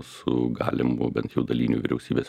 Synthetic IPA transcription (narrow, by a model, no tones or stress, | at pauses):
ssʊɡɑ̰ːlʲɪmʊbʲɛnt̪jɛʊd̪ɐlʲiːnʲuːʋʲɪɾʲɛʊsʲiːbʲeːs